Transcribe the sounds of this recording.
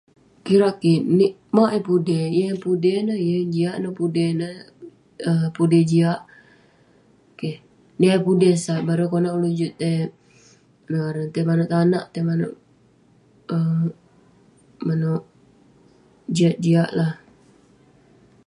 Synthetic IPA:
kiɾaʔkiniʔ | maʔɛpudɛjəpudɛhnəjəd͡ʒiaʔnopudɛnə | əpudɛd͡ʒiaʔ | ke | niʔajpudɛhsaʔbaɾokonaʔulud͡ʒut̪ːe | naaɾənt̪ɛmanoʔt̪anaʔt̪emano̰ʔ | ə | manoʔ | d͡ʒiaʔ̚d͡ʒiaʔlah

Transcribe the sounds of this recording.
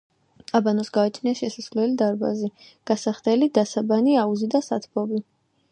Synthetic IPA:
abanɔsɡaɛt͡ʃʰniaʃɛsasvlɛlid̪aɾba̰zi | ɡ̥asaχt̪ɛlid̪asabaniauzid̪asat̪ʰbɔbi

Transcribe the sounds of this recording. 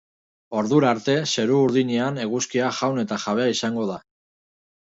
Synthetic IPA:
o̞ɾðuɾaɾt̪e̞se̞ɾuːɾðiɲeaneɣuskiaʝawne̞t̪aʝaβ̞e̞aisaŋɡo̞ð̞a

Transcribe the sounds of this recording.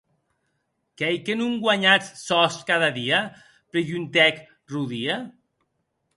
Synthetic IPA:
kɛjkenuŋɡwaɲat͡ssɔskaðaðia | pɾeʎunt̪ɛk | ruðia

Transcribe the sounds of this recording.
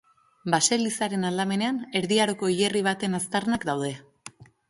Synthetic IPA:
base̞lisaɾe̞nald̪ame̞ne̞ane̞ɾðiaɾo̞ko̞iʎeriβ̞at̪e̞nast̪arnakd̪awð̞e̞

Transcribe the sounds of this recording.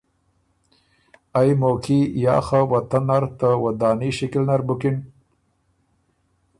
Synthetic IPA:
ajmoːkijɑ̰ːxawat̪anːaɾt̪əwad̪ɑːniʃɪkɪlnaɾbʊkin

